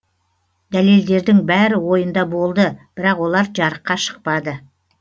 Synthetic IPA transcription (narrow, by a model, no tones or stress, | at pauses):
d̪æle̞ld̪e̞ɾd̪ɪŋbæɾɪwo̞jənd̪ɑbo̞lˠd̪əb̥ɪɾɑqwo̞lˠɑɾd͡ʒɑɾəqːɑʃə̥q̚pɑd̪ə